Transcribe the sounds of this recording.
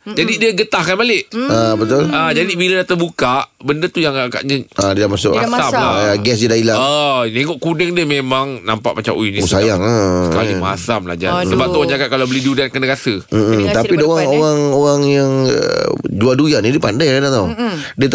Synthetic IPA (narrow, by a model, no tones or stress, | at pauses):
d͡ʒadidiəɡət̪ahkanbalɪʔabət̪ʊlad͡ʒadibiladat̪əbukaʔbəndət̪ujaŋaka̰ʔɲə̃adiəlamasʊ̰ʔa̰samla̰ɡɛs̬dədailaaneŋɔʔkunəŋdəmemaŋnampa̰ʔmat͡ʃa̰muinĩsajaŋasəkalima̰samla̰hd͡ʒa̰səbap̪̚uaɲd͡ʒakat̪̚kalawbəlidiudankənəkasəm̩t̪apidoɣaŋoɣaŋoɣaŋjaŋ | d͡ʒuadujanidiəpandajadat̪awdiət̪